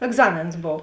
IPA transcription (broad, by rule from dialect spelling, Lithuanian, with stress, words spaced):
ɛɡˈzɑːmʲeːns ˈboːw